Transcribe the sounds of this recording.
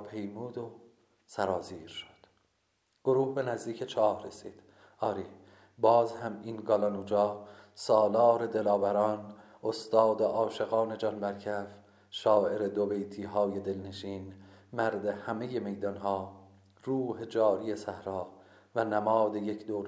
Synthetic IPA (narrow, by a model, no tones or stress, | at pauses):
pʰejmuːd̪o | sæɾɒːziːɾʃo̥d̪̥ | ɡ̥oɾuːhbe̞næzd̪iːcʰet͡ʃʰɒːhɾesḭːd̪̥ | ɒːɾiː | bɒːzhæminɡɒːlɒnuːd͡ʒɒːsɒːlɒːɾe̞d̪e̞lɒːvæɾɒːn | ost̪ɒːd̪eʔɒːʃe̞ɣɑːne̞d͡ʒɒːnbæɾcʰæf | ʃɒːʔe̞ɾed̪obe̞jt̪ʰiːɦɒːje̞d̪e̞lne̞ʃiːnmæɾd̪e̞hæme̞je̞me̞jd̪ɒnɦɒː | ruːhe̞d͡ʒɒːɾie̞sæhɾɒː | vænæmɒːd̪ejecʰd̪oːɾ